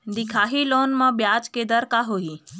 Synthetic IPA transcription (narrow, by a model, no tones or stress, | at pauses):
d̪ɪkʰaːɦiloːnmãbjaːt͡ʃked̪əɾkaɦoi